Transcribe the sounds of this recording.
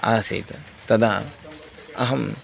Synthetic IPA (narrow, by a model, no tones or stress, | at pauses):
a̰ːsḛːt̪ɐ | t̪ɐd̪aː | ɐɦɐm